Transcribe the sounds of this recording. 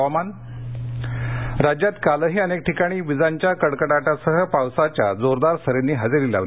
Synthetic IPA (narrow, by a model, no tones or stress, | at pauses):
aman | ɾad͡ʑjat̪kaləɦiːənek̚ʈʰikaɽ̃iːʋid͡zaɲt͡ɕjakəɽkəɽaʈasəɦəpawsat͡ɕjad͡zoɾd̪aɾst̪ʰəɾenːiːɦad͡zelila̰ʋl